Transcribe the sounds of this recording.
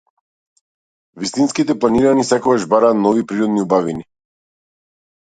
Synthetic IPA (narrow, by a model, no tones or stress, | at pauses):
vist̪inskit̪ɛplˠaniɾanisɛkɔɡaʒbaɾaːt̪nɔvipɾiɾɔd̪niubavini